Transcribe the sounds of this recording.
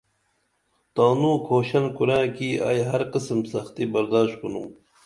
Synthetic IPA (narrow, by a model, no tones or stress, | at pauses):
t̪aːnũːkʰoːɕɐnkuɾãːkia̰ːjɦɐɾqəsəmsɐxt̪ibɐɾd̪aːʃt̪̚kunu